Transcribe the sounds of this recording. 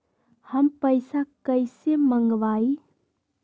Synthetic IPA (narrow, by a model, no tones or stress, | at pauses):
hɐmpəjsakəjsemɐŋɡbaj